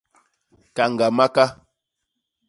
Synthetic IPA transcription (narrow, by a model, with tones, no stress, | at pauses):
ka˨ŋ˨ɡa˨ma˦ka˦